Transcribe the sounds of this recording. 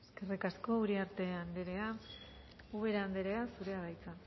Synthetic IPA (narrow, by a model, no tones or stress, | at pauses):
eske̞rikasko̞uɾiaɾt̪e̞and̪eɾea | uβe̞ɾaand̪eɾe̞asuɾe̞aɾajt͡sa